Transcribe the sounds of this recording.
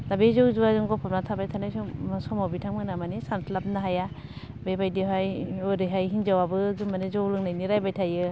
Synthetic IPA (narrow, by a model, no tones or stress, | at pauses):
dabezowzuwazɯŋɡɔpʰapnatʰabajtʰanajsɔsɔmawbitʰaŋmmɯnamanesantʰlap̚naɦaja | bebajdiɦajoɾɯɦajɦind͡ʒawabɯzumanezowlɯŋnajniɾajbajtʰajɯ